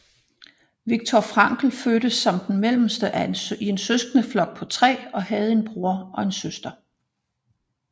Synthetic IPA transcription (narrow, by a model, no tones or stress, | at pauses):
ʋiɡ̥̚t͡sʰɒfʁɑ̈ŋɡ̥l̩føːɾ̥əsɒ̽md̥enmel̰m̩sd̥əʔæie̝nsøsɡ̥ənəflɒ̽ɡ̥̚pʰɒ̽t͡sʰʁɛ̰ːɒ̽hɛð̞̩ˠe̝nb̥ʁuɐɒ̽e̝nsøsd̥ɐ